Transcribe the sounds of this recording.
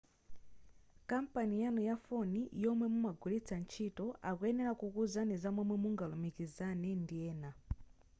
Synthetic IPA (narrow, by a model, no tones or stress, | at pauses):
kampanijanɔjafɔnijɔmwɛmumaɡulit͡sʰant͡ʃʰitɔʔakuɛnɛɾakukuzanizamwɛmwɛmuŋɡalɔmikizanɛndiɛːna